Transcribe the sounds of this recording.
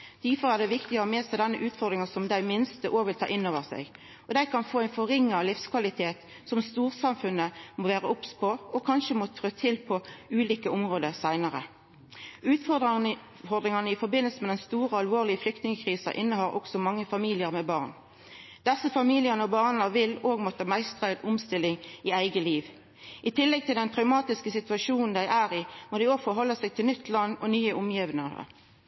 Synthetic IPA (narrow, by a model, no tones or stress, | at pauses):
d̪̥æfɔʁæʁd̪ɛʋɪkt̪ɪəʁəmeːsæɪd̪ɛnːəʔʉːt̪fɔʁd̪ʁɪŋɑsɔmd̪æɪmɪnst̪əʔoːʋɪlt̪ʰɑ̰ːʔɪnːoːʋəʁsæ̰ɪɡ | ɔd̪æɪkɑnfoːæɪnfɔʁɪŋːɑlɪfskʰʋɑlɪt̪ʰeːt̪ | sɔmst̪uːʁsɑmfʉnːəmoʋæːʁəʊpspʰɔɔkʰɑnʃəmot̪ʰʁøːt̪ʰɪlpʰɔʉːliːkəɔmʁoːd̪əsæɪnəʁə | ʉːt̪fɔd̪ɑ | fɔʁd̪ʁɪŋɑnəɪfɔʁbɪnəlsəmɛd̪ɛnst̪uːʁəɑlʋoːʁlɪəflʏkt̪nɪŋəkʰʁiːsɑʔɪnːəhɑɾʔɔ̰ksɔmɑŋːəfɑmiːlɪəʁmɛbɑːʁn | d̪̥ɛsəfɑmiːlɪəʁnəɔbɑʁnəʋɪloːɡmɔt̪ːɑmæɪst̪ʁæɪd̪ʊmst̪ɪlɪŋɪæɪɡəliːʋ | ʔɪt̪ʰɪlːɛɡ̚t̪ʰɪld̪ɛnt̪ʰʁɑʉmɑːt̪ɪskəsɪt̪ʉɑʂuːnn̩d̪æɪʔæːʁɪmod̪æɪoːfɔɦɔlːəsæɡ̚t̪ʰɪlnʏt̪ʰlɑnːɔ̰nyːəʔʊmjiʋənəʁə̰